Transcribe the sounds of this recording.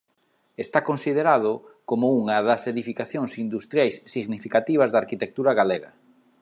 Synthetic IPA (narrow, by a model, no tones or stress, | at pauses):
est̪akonsið̞eɾað̞ʊkomouŋɐðɐseðifikaθjoŋsind̪ust̪ɾjajsːiɣnifikat̪iβ̞ɐzðaɾkit̪ek̚t̪uɾaɣaleɣɐ